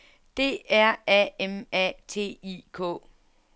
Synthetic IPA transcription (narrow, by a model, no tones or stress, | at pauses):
d̥e̝̰æɐɛemɛt͡sʰe̝̰ːikʰɔ̰ː